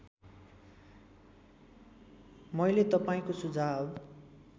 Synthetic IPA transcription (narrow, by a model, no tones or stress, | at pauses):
mʌjlet̪ʌpaĩkosud͡zab